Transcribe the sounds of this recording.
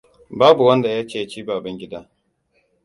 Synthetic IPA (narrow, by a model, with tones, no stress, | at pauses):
baː˦bu˨wɐ˦nda˨jaː˦t͡ʃeː˦ja˦t͡ʃiː˦baː˨bɐ˦ŋɡʲɪ˦daː˦